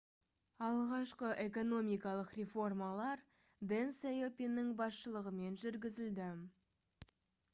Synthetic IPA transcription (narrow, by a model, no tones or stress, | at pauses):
ɑlˠʁɑʃqəʔe̞ko̞no̞mijkɑlˠəqrʲefo̞rmɑlˠɑɾ | d̪ensejopʲinːɪŋbɑsʃəlˠəʁəme̞nʒʏɾɡʲɪzɪld̪ɪ